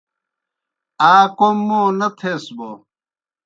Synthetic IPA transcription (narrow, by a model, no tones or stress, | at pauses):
aːkomːoːnɐt̪ʰeːsbo